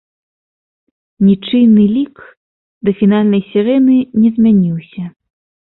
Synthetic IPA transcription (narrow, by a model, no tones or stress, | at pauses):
nʲit͡ʂɨnːɨlʲik | d̪ɐfʲinalʲnɐjsʲɛɾɛnɨnʲɛzʲmʲanʲiwsʲɐ